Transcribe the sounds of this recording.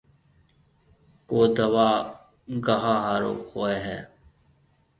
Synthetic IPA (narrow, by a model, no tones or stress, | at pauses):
koːd̪əʋaː | ɡaɦaːɦaːɾo̰ːxoːeːɦɛ̰ː